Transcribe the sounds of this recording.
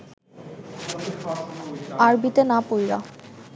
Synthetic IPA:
aɹbit̪enapojɹa̰

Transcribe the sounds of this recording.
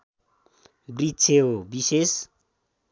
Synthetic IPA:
brit͡sʰeobises

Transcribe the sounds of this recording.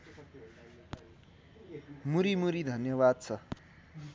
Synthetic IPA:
muɾimuɾid̪ʱʌnjʌbad̪̚t͡sʰʌ

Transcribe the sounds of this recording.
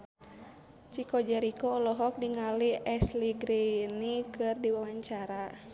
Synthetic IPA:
t͡ʃikɔd͡ʒɛɾikɔːlɔɦɔk̚diŋaliɛsliɡɾinikɨrdiwawaɲt͡ʃaɾa

